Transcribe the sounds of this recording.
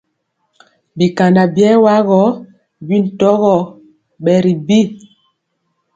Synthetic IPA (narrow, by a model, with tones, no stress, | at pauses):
bi˨ka˨nda˨bjɛ˦wa˦ɣɔ˦ | bi˦n̩˨tɔ˦ɣɔ˦˨ | ɓɛ˨ɾi˨bi˦˨